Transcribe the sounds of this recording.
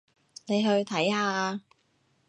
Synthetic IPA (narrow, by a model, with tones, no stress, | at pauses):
ne˨˧jɦɵ˧ɥt̪ʰɐ˨˥jhaː˨˧